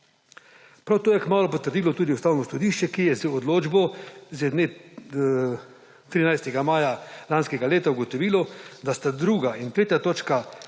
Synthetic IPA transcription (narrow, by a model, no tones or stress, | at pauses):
pɾawt̪oːjɛkmaːlupɔt̪əɾd̪iːlɔt̪uːd̪iust̪aːwnɔsɔd̪iːʃt͡ʃɛkijɛzəod̪loːd͡ʒbɔzɛd̪ne | t̪ɾiːnajst̪ɛɡamaːjalanskɛɡaleːt̪auɡot̪ɔʋiːlɔd̪ast̪ad̪ɾuːɡaint̪ɾeːt̪ʲjat̪oːt͡ʃka